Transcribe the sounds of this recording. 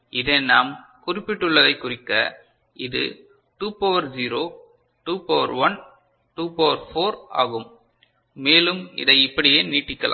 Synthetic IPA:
ʔɪðɐɪnaːmkʊrɪpːɪʈːɯɭːɐðɐɪkːʊrɪkːɐ | ʔɪðɯ̰ | ʈuːpoːʋɐɾd͡ʒiːɾoː | ʈuːpoːʋɐ̰ɾʋɐn | ʈuːpoːʋɐɾfoːɾa̰ːɣɯmː | eːlɯmɪ̰ðɐɪɪpːɐɽɪjeːniːʈːɪkːɐla̰ː

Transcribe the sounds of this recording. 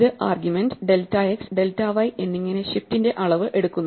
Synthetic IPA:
ðɨʔaːrɡjume̞nɖɖe̞ltːaeksɖe̞ltːaːʋɐjʔe̞nːiŋːɐne̞ɕiftinde̞ʔɐɭɐʋɨʔe̞ɽukːunː

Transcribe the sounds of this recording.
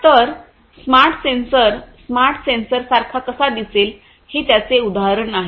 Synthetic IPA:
t̪əɾ | smaɾʈʰsensəɾsmaɾʈʰsensəɾsaɾkʰakəsad̪iseːl | hiːt̪jat͡seud̪aɦaɾəɳnaɦe

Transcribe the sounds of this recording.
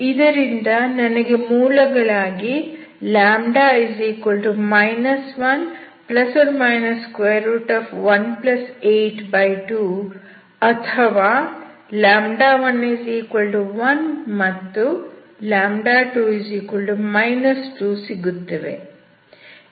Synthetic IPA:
id̪ɐɾind̪ɐnɐnɐɡe̞muːlɐɡɐɭaːɡi | laːmɖaːɐjsiːkoɭʈumɐjnɐsʋɐn | plɐsʋɐnmɐjnɐskʋejːɐɾuːʈaːfʋɐnplɐseːʈbɐjʈuː | ɐt̪ʰɐʋaː | laːmɖaːʋɐnːɐsiːkoɭɖuʋɐnmɐt̪ːu | laːmɖaːʈuːɐziːkoɭɖumɐjnɐsʈuːsiɡut̪ːɐʋḛ

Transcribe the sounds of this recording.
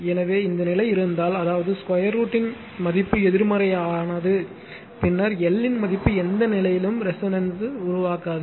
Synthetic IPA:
ɛnɐʋeːɪnd̪ɐnɪlɐɪɪɾɯnd̪aːlɐðaːʋɐðɯskɐjɐɾuːʈːɪn | mɐðɪpːɯɛðɪɾmɐɾɐjaːnɐðɯ | pɪnːɐɾɛlːɪnmɐðɪpːɯɛnd̪ɐnɪlɐjɪlɯmɾɛsɐnɐnsɯʊɾʊʋaːkaːðɯ

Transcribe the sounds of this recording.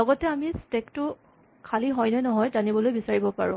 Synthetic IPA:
lɔɡɔtɛamistektʊ | kʰaliɦɔjnɛnɔɦɔjzanibɔlojbisaɹibɔpaɹʊ̃

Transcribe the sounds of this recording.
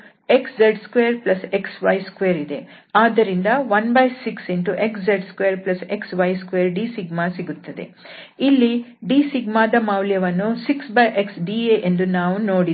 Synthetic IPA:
e̞ksd͡ʒɐɾɖskʋeːɐɾplɐse̞ksʋɐjskʋeːɾid̪e̞ | aːd̪ːɐɾind̪ɐʋɐnbɐjsiksinʈuʔe̞ksd͡ʒɐɾɖskʋeːɐɾplɐse̞ksʋɐjskʋeːɐɾɖiːsiɡmasiɡut̪ːɐd̪e̞̰ | ilːiɖiːsiɡmaːd̪ɐmaːwljɐʋɐnːusiksbɐjʔeksɖiːeʔend̪unaːʋuno̞ːɽi

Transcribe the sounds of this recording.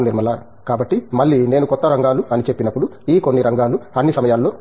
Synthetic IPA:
niɾmɐlaː | kaːbɐʈːimɐɭːiːneːnukɔt̪ːɐɾɐŋɡaːluɐnit͡ʃepːinɐpːuɽuiːko̞nːiɾɐŋɡaːluɐnːisɐmɐjaːlːo̞ː

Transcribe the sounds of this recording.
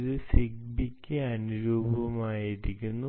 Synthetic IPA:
ðɨsiɡ̚bikʲːɨɐnuɾoːbɐʋɐmaːjiɾikʲːunːu

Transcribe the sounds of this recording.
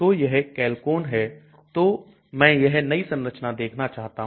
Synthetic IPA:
ojɐɦkɛːlkoːnɦɛ | t̪o | mɛ̃ːjɐɦnɐisɐ̃nɾət͡ʃnad̪eːkʰnat͡ʃaːɦt̪aɦ

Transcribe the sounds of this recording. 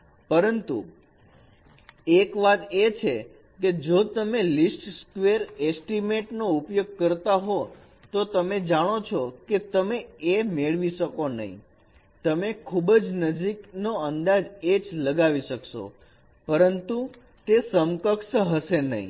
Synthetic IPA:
pəɾənt̪ṵ | ekʋat̪et͡ʃʰe | ked͡ʒot̪əmelisʈskʋeɾesʈimeʈnoupjoɡ̚kəɾt̪aɦo | t̪ot̪əmed͡ʒaɽ̃ot͡ʃʰoket̪əmeemeɭʋiʃəkonə̰ɦḭ̃ | t̪əmekʰubd͡ʒnəd͡ʒiknoənd̪ad͡ʒed͡ʒləɡaʋiʃəkʃo̰ | pəɾənt̪u | t̪esəmkəkʃəɦəʃenə̰ɦḭ̃

